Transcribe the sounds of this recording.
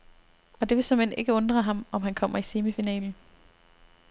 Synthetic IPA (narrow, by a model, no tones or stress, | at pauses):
ɒ̽d̥e̝ʋesɒ̽mene̝ɡ̥əɔ̽nd̥ʁɐɦɑ̈mɒ̽mɦænkʰɒ̽m̰ɐise̝ːməfinɛ̰ːln̩